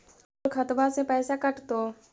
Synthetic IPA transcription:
ɾkʰɐt̪basepɛːsakɐʈt̪oː

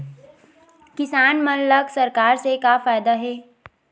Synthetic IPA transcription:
kɪsaːnmənləksɐɾkaːɾsekafaːjd̪aɦɛː

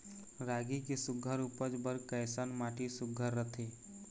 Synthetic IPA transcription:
ɾaɡikesʊɡʱəɾupəd͡ʒbəɾkəjsanmaʈisʊɡʱəɾːət̪ʰe

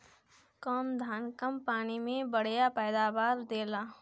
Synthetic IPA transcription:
kɔːmd̪ʱaːnkəmpaːnimẽbəɽ̤japɛːd̪aːʋaːɾd̪eːlaː

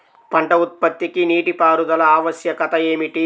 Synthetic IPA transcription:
pɐɳʈɐut̪̚pɐt̪ːikiniːʈipaːɾud̪ɐlɐaːʋɐsjɐkɐt̪ɐeːmiʈi

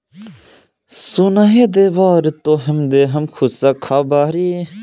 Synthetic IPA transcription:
sunɐɦed̪eʋaːɾit̪oːɦɐmd̪eːɦɐmkʰusɐkʰaːbaːɾi

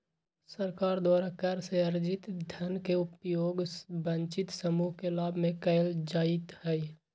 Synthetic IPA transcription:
səɾkaːɾd̪waːɾakəɾseɐɾd͡ʒɪt̪d̪ʱjənkeʊpjoːɡbə̃ɲt͡ʃɪt̪səmuːɦkelaːbʱmẽkəjld͡ʒaːɪt̪hɛi

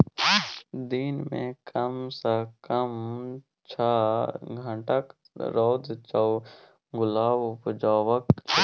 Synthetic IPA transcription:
d̪inmḛ̃kʰəmsəkəm | t͡ʃʰaɡʱə̃ʈək | ɾɔːd̪t͡ʃaw | ɡʊlaːbʊpd͡ʒaːwəkl

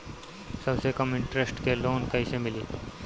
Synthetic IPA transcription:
sɐbsekɐmɪ̃ɳʈɾesʈkeloːnkɐisemɪliː

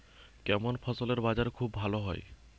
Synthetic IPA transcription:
kɛmonpʰɔsoleɾbad͡ʑaɾkʰubbʱaloɦɔj

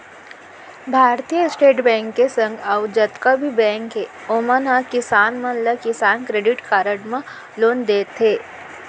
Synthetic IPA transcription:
bʱaːɾt̪ijəsʈeːʈbɛ̃ːŋkːesə̃ŋɡaʊd͡ʒət̪kabʱibɛ̃ːŋkɦe | omənakɪsaːnmɐnləkɪsaːnkɾeːɖɪʈkaːɾəɖmã | loːnd̪eːt̪ɦeː

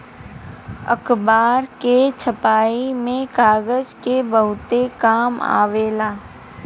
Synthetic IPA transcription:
ə̰kbaːɾket͡ʃʰəpaːimẽkaːɡəzkebəɦʊt̪ekaːma̰ːʋeːlaː

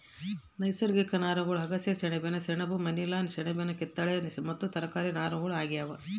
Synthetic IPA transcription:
nɐjsɐɾɡikɐnaːɾɐɡɐɭɦɐɡɐsjɐsɛɳɐbenɐsɛɳɐbumɐnilaːnsɛɳɐbenɐket̪ːɐɭenmɐt̪ːut̪ɐɾɐkaːɾinaːɾɐɡɐɭaːɡijaːʋɐ

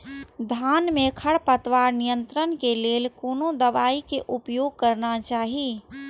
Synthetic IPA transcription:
d̪ʱaːnmẽkʰəɽpət̪ʋaːɾnijənt̪ɾənkeleːlkoːnod̪əʋaːikeʔʊpjoːɡ̚kəɾnat͡ʃaːɦi

